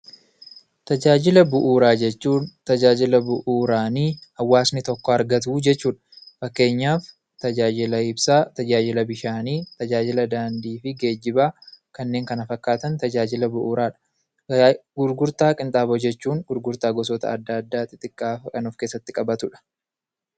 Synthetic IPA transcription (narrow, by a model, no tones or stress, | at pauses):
t̪ɐd͡ʒaːd͡ʒɪlɐbʊʔuːɾaːd͡ʒɛt͡ʃːuːnt̪ɐd͡ʒaːd͡ʒɪlɐbʊʔuːɾaːniːhɐwːaːsnɪt̪ɔkːɔɐɾɡɐt̪̬uːd͡ʒɛt͡ʃːuːᶑɐ̥fɐkːe̞ːɲːaːf | t̪ɐd͡ʒaːd͡ʒɪlɐɪbsaːt̪ɐd͡ʒaːd͡ʒɪlɐbɪʃaːniːt̪ɐd͡ʒaːd͡ʒɪlɐd̪aːnd̪iːfɪɡe̞ːd͡ʒːɪbaːkɐnːe̞ːŋkɐnɐfɐkːaːt̪ɐnt̪ɐd͡ʒaːd͡ʒɪlɐbʊʔuːɾaːᶑɐ̥ | ɡʊɾɡʊɾt̪aːkʼɪnt̪ʼaːbod͡ʒɛt͡ʃːuːŋɡʊɾɡʊɾt̪aːɡɔs̬ɔt̪ɐ̰ɐd̪ːaːd̪ːaːt̪ʼɪt̪ʼɪkʼːaːfkɐnʊfkeːsːɐt̪ːɪkʼɐbɐt̪ʊᶑɐ̥